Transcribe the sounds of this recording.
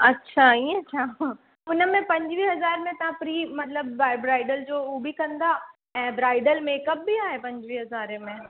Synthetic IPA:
ɐtːʃʰaiɐtːɕʰa | ʊnəmẽpɐ̃ɲd͡ʑʋiːɦɐzaːɾmẽt̪ɐɦãpɾiːmɐt̪ləbaːɪbɾaːɪɖəld͡ʑoːubʱikɐ̃nd̪a | ɛ̃ːbɾaːɪɖəlmeːkəp̚biaːɦepɐ̃ɲd͡ʑʋiːɦɐzaːɾemẽ

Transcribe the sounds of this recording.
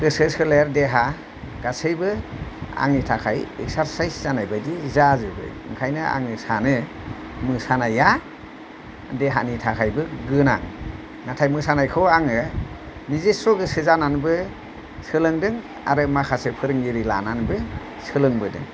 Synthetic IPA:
kɯsɯsɯleɾdeɦa | ɡasɯjbɯa̰ŋnitʰakʰajeksaɾsajszanajbajdizazɯbɯ̰jɯŋkʰajnɯa̰ŋɯsanɯ | mɯsanajːa | deɦa̰nitʰakʰajbɯɡɯna̰ŋ | natʰajmɯsanajkʰɔaŋɯ | nizesɾɔɡɯsɯzananbɯ | sɯlɯŋdɯŋ | a̰ɾɯmakʰasɯpʰɯɾɯŋɡiɾila̰nanbɯ | sɯlɯŋbɯdɯ̰ŋ

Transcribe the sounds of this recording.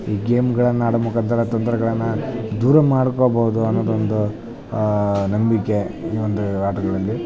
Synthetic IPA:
iːɡeːmɡɐɭɐnːɐaːɽɐmukɐnt̪ɐɾɐt̪ɐnt̪ɾɐɡɐɭɐnːɐd̪uːɾɐmaːɽkoːbɐɦud̪uɐnːoːd̪ond̪u | nɐmbikːe̞iːʋond̪uaːʈɐɡɐɭɐlːi

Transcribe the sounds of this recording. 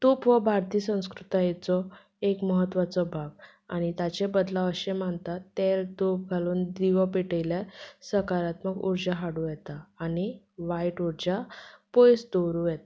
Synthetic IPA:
t̪upʋəbʱaɾt̪iːsə̃w̃skɾut̪ajet͡sɔ | ekməɦət̪ːʋat͡sɔbʱaɡ | a̰ɽ̃it̪at͡ɕebəd̪laəɕemaɳt̪at̪ːelt̪up̚ɡʱaluːnd̪iʋəpiʈəjljasəkaɾat̪məɡṵɾd͡ʑaɦaɽujɛt̪aːñi | ʋaiʈuɾd͡ʑapojsd̪oɾujɛt̪

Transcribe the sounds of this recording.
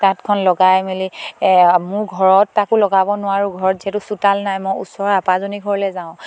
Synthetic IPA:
tatkʰɔnlɔɡajmeli | mʊɹɡʱɔɹɔtːakʊlɔɡabɔnʊwaɹuɡʱɔɹɔtzɛtusutalnajmɔjṵsɔɹapazoniɡʱɔɹlɛzaʊ̃

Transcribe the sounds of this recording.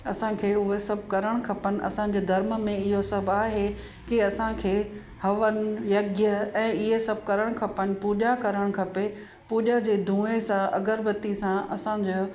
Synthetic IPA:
ɐsãkʰeːʊɦesɐb̚ʱkɐɾəɽ̃kʰɐpənɪ̆ʔɐ̰sã̆d͡ʑeːd̪ʱɐɾməmẽɪɦosɐbʱaːɦe | kiɐsãkʰeː | hɐʋənɪ̆jɐɡjəɛ̃ːɪɦesɐb̚ʱkɐɾəɽ̃kʰɐpənɪ̆puːʄakɐɾəɽ̃kʰɐpe | puːʄad͡ʑeːd̪ʱũːesãɐ̰ɡəɾbət̪isãʔɐsã̆d͡ʑo

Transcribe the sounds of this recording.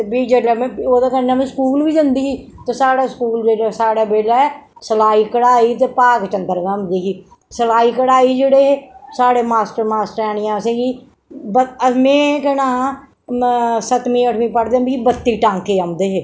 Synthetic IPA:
biːd͡ʒeːɖamẽoːd̪aːkəɾnãːmẽːskuːlʋiːd͡ʒ̪ənd̪iːɦiːt̪eːsaːɽaːskuːld͡ʒeːɽaːsaːɽaːbeːlaːɛːsəlaːiːkəɽaːiːt̪̬eːpaːkt͡ʃənd̪əɾɡãəmd̪iːɦiː | səlaːiːkəɽaːiːd͡ʒeːɽeːɦeːsaːɽeːmaːsʈəɾmaːsʈəɾɛːɽ̃ɪjãːəsẽːɡiː | bəəmẽːkɛnãː | sət̪miːəʈʰmĩːpəɽd̪ebiːibət̪ːiːʈãːŋkeːamd̪eːɦeː

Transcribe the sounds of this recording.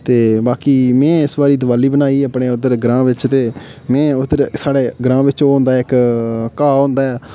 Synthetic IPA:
t̪eːbaːkiːmɛ̃ːɪsbaːɾiːd̪əʋaːliːbənaːiːəpɳeːʊd̪əɾɡɾãːʋɪt͡ʃt̪eːmɛ̃ːʊd̪əɾsaːɽeːɡɾãːʋɪt͡ʃoːɦõːnd̪aːɪkkaːɦõːnd̪aːɛː

